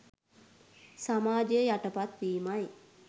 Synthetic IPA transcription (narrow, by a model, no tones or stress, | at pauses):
samaːd͡ʒəjəjaʈəpat̪ʋiːmaj